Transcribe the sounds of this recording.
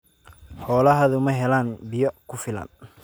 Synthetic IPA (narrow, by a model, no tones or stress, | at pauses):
ħɔːlɐɦɐðʊmɐɦɛlaːnbɪjɔkʰʊfɪlɐ̰n